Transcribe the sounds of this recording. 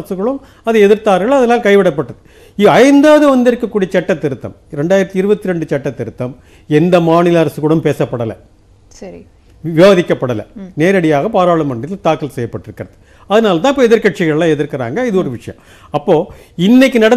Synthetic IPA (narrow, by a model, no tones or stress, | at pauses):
ɐsɯkɯɭɯm | ɐðɯɛðɪɾt̪aːɾɣɐɭɐðɐnaːlkɐɪʋɪɽɐpːɐʈːɐðɯ | iɐɐɪnd̪aːʋɐðɯʋɐnd̪ɪɾɯkːɐkːuːɽijɐt͡ʃɛʈːɐt̪ːɪɾɯt̪ːɐ̰mɾɛɳɖaːjɪɾɐt̪ːiɪɾɯbɐt̪ːiɾɛɳɖɯt͡ʃɛʈːɐt̪ːɪɾɯt̪ːɐm | ɛnd̪ɐmaːnɪlɐɐɾɐsɯɣɯɭɯmpeːsɐpːɐɽɐlɐ̰ | sɐɾi | ʋɪʋaːðɪkːɐpːɐɽɐlɐ̰neːɾɐɽɪjaːɣɐpaːɾaːɭɐmɐɳɪt̪ɪlt̪aːkːɐlsɛjːɐpːɐʈːɪɾɯkːɪɾɐðɯ | ɐðɐnaːlɐt̪̬ãːɪp̬ːoːɛðɪɾkɐʈ̚t͡ʃːɪɣɐɭlãːɛðɪɾkɪɾa̰ːŋɡɐɪðɯɔɾɯʋɪʂɐjɐ̰̃m | ɐpːoː | ɪnːɐɪkːɯnɐɽɐ